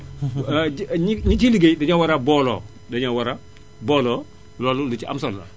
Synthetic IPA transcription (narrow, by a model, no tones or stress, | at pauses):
ɲiɲit͡ʃiliɡejdaɲawaɾabɔːlɔ̰ː | daɲawaɾa | bɔːlɔː | lɔlulut͡ʃia̰msɔlːa̰